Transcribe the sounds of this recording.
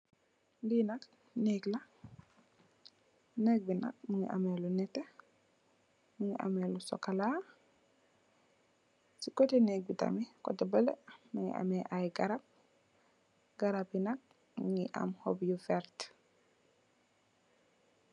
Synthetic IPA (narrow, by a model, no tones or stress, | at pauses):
dinak | nɛkla | nɛk̚bina̰k̚muŋḭʔa̰mɛlunɛte | muŋiʔa̰mɛlusɔ̰kala | sikɔtɛnɛk̚bita̰mikɔ̰tɛbəlɛmuŋḭʔa̰mɛʔajɡaɾap̚ | ɡaɾab̚inak̚ | muŋiʔa̰mhɔ̰bjufɛɾt